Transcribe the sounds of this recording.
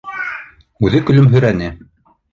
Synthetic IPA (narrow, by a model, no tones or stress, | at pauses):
ʉðɘkɵ̆lɵmɦɵ̆jɾænɘ